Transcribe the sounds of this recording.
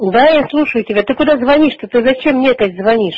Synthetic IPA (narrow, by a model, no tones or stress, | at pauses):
d̪ajaslˠuʂəjʊtʲɪbʲat̪ɨkʊd̪azvɐnʲiʂt̪ot̪ɨzɐt͡ɕemnʲekəsʲzvɐnʲiʂ